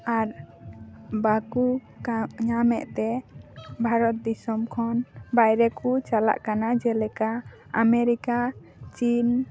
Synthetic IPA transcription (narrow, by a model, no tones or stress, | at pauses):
aɾ | baku | ɲamɛ̰ʔt̪ɛ | bʱaɾɔt̪̚d̪isɔmkʰɔnbajɾɛkut͡ʃala̰ʔkanad͡ʒɛlɛkaː | mɛɾika | t͡ʃin